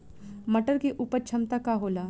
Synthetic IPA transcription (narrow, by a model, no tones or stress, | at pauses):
məʈəɾkeʔuːpəɾt͡ʃʰɐmt̪akaɦoːlaː